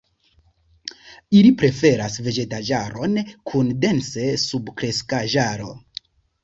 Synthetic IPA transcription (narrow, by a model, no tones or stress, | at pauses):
ilipɾe̞fe̞ɾasve̞d͡ʒe̞tad͡ʒaɾo̞nkʰunde̞nse̞subkɾe̞skaʒaɾo̞